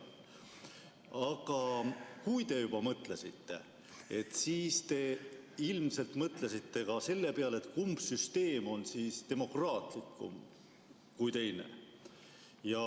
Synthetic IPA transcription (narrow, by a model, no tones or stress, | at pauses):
ɑɡ̥ɑkujt̪e̞jub̥ɑmɤt̪le̞sit̪ːe̞̰ | e̞t̪ːˑsiːst̪e̞ilmse̞lt̪mɤt̪lesit̪ːe̞kɑse̞lːe̞peɑle̞t̪ːˑkumbsyst̪e̞ːmo̞nsiːst̪e̞mo̞krɑːt̪likːˑṵm | kujt̪e̞jne̞̰ | jɑ